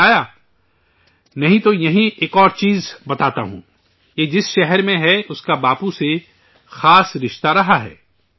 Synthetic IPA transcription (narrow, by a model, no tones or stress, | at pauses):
aːja | nɐɦĩt̪ojɐɦĩʔeːkɔːɾt͡ʃiːzbɐt̪aːt̪a̰ɦṵ̃ː | jeːd͡ʒɪsʃɛɦɛɾmẽɦɛʊskabaːpũse | xaːsɾɪʃt̪aɾɐɦaɦɛ̰ː